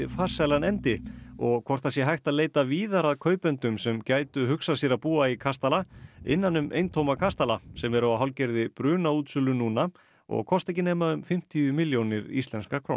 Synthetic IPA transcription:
faːɾ̥salanɛnt̪ɪɔɣkʰɔr̥t̪ʰasjɛɦajxt̪aðleːjt̪aviːðaɾaðkʰœːɥpʏnt̪ʏmsɛmcaːjt̪ʏɦʏksasɛɾapuːaikʰast̪alaɪ̰nːanʏmḛjnt̪ʰowmakʰast̪alasɛmɛɾaaɦawlcɛɾðɪpɾʏːnauːt̪sʏlʏnuːna | ɔ̰ɣkʰɔst̪ɛjcɪneːjmaʏmfɪm̥t̪iʏmɪljownɪɾḭst̪ɛnskakʰɾo̰wn

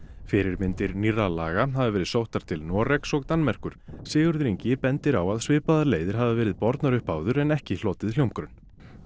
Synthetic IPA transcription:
fɪɾɪɾmɪnt̪ɪɾniralaːɣaɦavɪvɛːɾɪðsowht̪aɾ̥t̪ʰɪlnɔːrɛksɔɣt̪anmɛr̥kʏɾ̥sɪːɣʏɾðɾiɲcɪpɛnt̪ɪɾawaðsvɪːpaðaleːjðɪɾ̥ɦavavɛːɾɪðpɔɾt̪naɾʏhpaːwðʏɾɛnɛhcɪl̥ɔːt̪ɪð̥l̥owmkɾʏn

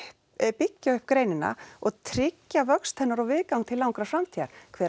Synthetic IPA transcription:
pɪcːaʏhp̚kɾeːjnɪna̰ɔɣt̪ʰɾɪcːavœkst̪ʰhɛnːaɾɔwvɪðkawŋt̪ʰɪlawŋkɾafɾamt̪ʰiaɾ̥kʰvɛː

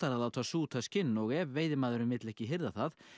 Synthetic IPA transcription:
t̪aɾaðaːwt̪ʰaːsuːt̪ʰascɪnːɔɣɛveːjðɪmaːðɛɾʏmvɪt̪lɛhcɪɦɪɾðaθað

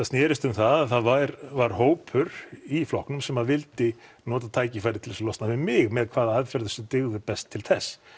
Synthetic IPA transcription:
θaðst̪jɛːɾɪst̪ʏmθaðθaðvaɾvaɾ̥hoːwpʰʏɾiflɔhknʏmsɛmaðvɪlt̪ɪnɔːt̪at̪ʰaːjcɪfajɾɪt̪ʰɪlɛslɔst̪navɪmɪɣmɛðkʰvaːðaaðfɛɾðʏsɛt̪ɪɣðʏpɛst̪ʰːɪlθɛsː

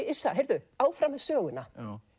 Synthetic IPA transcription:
ɪɾ̥saɦejɾðʏaːwfɾaːmɪðsœːɣʏna

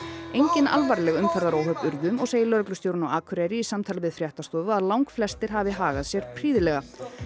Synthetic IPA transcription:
ejɲcɪna̰lvaɾlɛɣʏmkʰɛɾðaɾowɦœpʏɾðʏmɔɣseːjɪlœɾklʏst̪jowɾʏnawaːkʰʏɾajɾɪisamt̪ʰaːlvɪðfɾjaht̪ast̪ɔːvʏaðlawŋkflɛst̪ɪɾ̥ɦavɪɦaːɣaðsjɛɾ̥pʰɾiːðɪlɛɣa

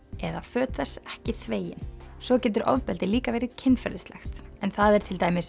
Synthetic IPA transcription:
ɛðafœːt̪θɛsɛhcɪθveːjɪ̰nsɔcɛːt̪̬ʏɾɔ̰ðpɛlt̪ɪliːkavɛːjɾɪcʰɪnːfɛ̰ɾðɪst̪lɛxt̪ɛnθaðɛɾ̥t̪ʰɪlt̪aːjmɪs

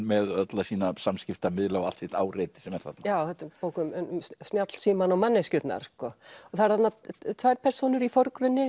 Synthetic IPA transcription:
mɛðœt̪lasiːnasamscɪft̪amɪðlaːɣa̰lt̪sɛht̪a̰ːwrejt̪ɪ̥sɛmɛɾ̥θat̪najaːwθɛt̪ɪɾpoːwkʏmnst̪njat̪l̥siːmanɔwmanːɛscʏt̪na̰ɾ̥skɔɔθaɾθat̪nat̪ʰvajɾ̥pʰɛr̥sownʏɾifɔɾkɾʏnːɪ

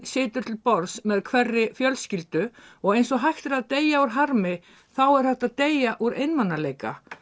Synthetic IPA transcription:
sɪːt̪ʏɾ̥t̪ʰɪlpɔɾsmɛðkʰvɛrːɪfjœlscɪlt̪ʏɔɣejns̬ɔɦajxt̪ɪɾaðt̪eːjauɾ̥ɦaɾmɪ | θawɛɾ̥hɛht̪aðt̪ejaʔuɾḛjnmanːaleːjka̰

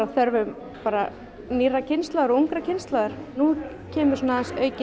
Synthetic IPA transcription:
aθœɾvʏm | paːɾa̰ | niːracʰɪnst̪laːðaɾɔuŋkɾacʰɪnst̪laːðaɾ̥nu | cʰɛːmʏɾ̥sɔːnaðansœːɥcɪ

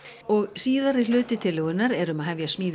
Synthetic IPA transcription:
ɔɣsiːðaɾɪlʏːt̪ɪt̪ʰɪlʏwɪnːaɾɛɾʏmaðɦavjasmiːð

